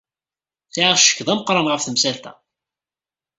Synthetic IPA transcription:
θiʕaʃə̥kːðˤæməqɾˤɑnʁəfθəmsælt̪æ̰

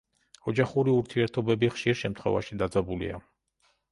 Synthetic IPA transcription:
ɔd͡ʒaχuɾiuɾt̪ʰiɛɾt̪ʰɔbɛbiχʃiɾʃɛmt̪ʰχwɛ̰vaʃid̪ad̪zabulḭa̰

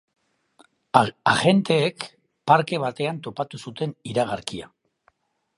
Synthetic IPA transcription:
aɣe̞nt̪e̞ːk | paɾke̞β̞at̪e̞ant̪o̞pat̪usut̪e̞niɾaɣ̞aɾkia̰

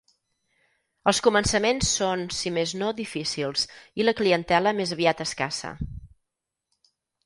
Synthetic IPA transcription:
əlˠskumənsəmensːonsimeznoðifisilˠsiləkliənt̪ɛləmezəβiat̪əskasə̰

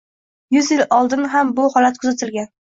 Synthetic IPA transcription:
jʊzjɪlɒlˠd̪ɪnɦambʊhɒlat̪̚kʰʊzat̪ʰɪlɡʲan

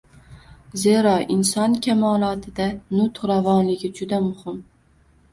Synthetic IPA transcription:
ze̞ɾɒʔɪnsɒnkʲʰamɒlˠɒt̪ʰɪd̪anʊt̪ɾavɒnlɪɡʲɪd͡ʒʊd̪amʊhɪm

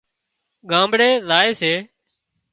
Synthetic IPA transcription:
ɡãːmbɽeːlaːeːseː

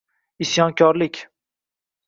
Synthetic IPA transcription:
isjɒnkʲʰɒɾlɪkʲ

